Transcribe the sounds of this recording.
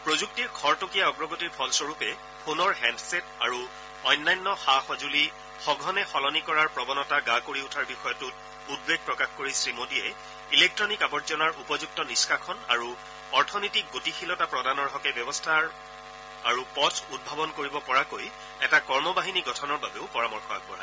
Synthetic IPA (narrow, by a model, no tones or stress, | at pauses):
pɹozuk̚tiɹkʰɔɹtokijaɔɡɹɔɡotiɹpʰɔlsɔɹupɛ | pʰonɔɹɦɛmsɛtaɹu | ɔjnːajnːɔxaxɔzuli | xɔɡʱɔnɛxɔlɔnikɔɹaɹpɹɔbɔnɔtaɡakoɹiutʰaɹbixɔjɔtʊt̚ | ud̚beɡ̚pɹɔkaxkoɹisɹimodiɛ | ilek̚tɹɔnikabɔzɔnaɹʔupɔzuk̚tɔniskakʰɔna̰ɹu | ɔɹtʰɔnɔjtik̚ɡotixʰilɔtapɹɔdanɔɹɦɔkɛbɔbɔstʰaɹ | aɹupɔtʰud̚bʱabɔnkoɹibɔpɔɹakoj | ɛtakɔɹmɔbaɦiniɡɔtʰɔnɔɹbabeʊpɔɹamɔɹxɔa̰k̚bɔ̰ɹa̰